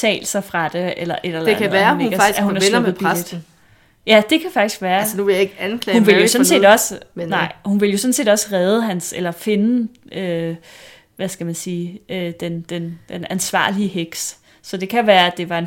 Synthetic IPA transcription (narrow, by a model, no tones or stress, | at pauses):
t͡sʰɛ̰ːlsɐfʁɑ̈d̥e̝elɐʔe̝leeæʋæːɐe̥ɐ̥i̥æhunæɐesð̩ˠpʰʁad̥ | jæd̥e̝kʰæfɑ̈ɡ̥d̥isɡ̥ʋæːɐsnuʋe̝jɑ̈eɡ̥ænkʰlɛhunʋe̝ljo̝sɔ̽n̩se̝̰ːdɒ̽sənɑ̈ɪ̰hunʋe̝ljo̝sɔ̽n̩se̝̰ːdɒ̽səʁɛːð̞ˠəɦænselɐfe̝nəø | ʋæsɡ̥æmænsiːød̥end̥end̥enænsʋɑ̰̈ːliəɦeɡ̥s | sɒ̽d̥e̝kʰæʋæːɐæd̥e̝ʋɑ̈e̝n